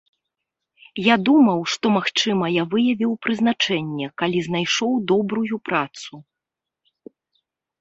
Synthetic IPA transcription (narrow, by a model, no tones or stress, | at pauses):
jad̪umɐwʂt̪ɔmaxt͡ʂɨmɐjavɨjɐvʲiwpɾɨzn̪at͡ʂɛnʲːɛkalʲiznajʂɔwd̪ɔbɾujupɾat̪su